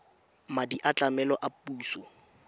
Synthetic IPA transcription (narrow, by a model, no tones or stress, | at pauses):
madiʔat͡ɬʼamɛlɔʔapuːsɔ